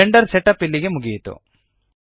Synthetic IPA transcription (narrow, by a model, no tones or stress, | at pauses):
eɳɖɐɾsɛʈɐpːilːiɡemuɡijt̪ṵ